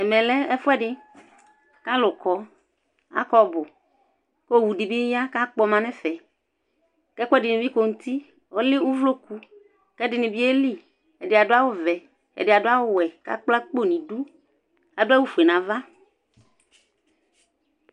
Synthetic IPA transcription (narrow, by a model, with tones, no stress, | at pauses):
ɛ˨mɛ̃˨lɛ˦ɛ˦fɛ˦ɖɪ˦ | ka˦lʊ˨kɔ˦ | a̰˦kɔ˦bʊ˨ | ko˦˨wu˨ɖi˨bi˦ja˦ka˦k͡pɔ˦mã˨nɛ̃˦fɛ˨ | kɛ˦kʷo˦ɛ˦dɪ˨nĩ˨vi˦ko˨ŋu˦t̪i˦ | o˦lɪ˦ŋu˦vlo˦ku˦ | kɛ˦dɪ˨nĩ˨vi˦e˦li˦ | ɛ˨dɪ˨a˨dʊ˦a˦wo˦vɛ˨ | ɛ̰˨dɪ˨a˨dʊ˦a˦wʊ˦wɛ˨ka̰˦k͡pla˦k͡po˦˨nĩ˨du˦ | a˨dʊ˦a˦wu˦fu˨e˨nã˨va˦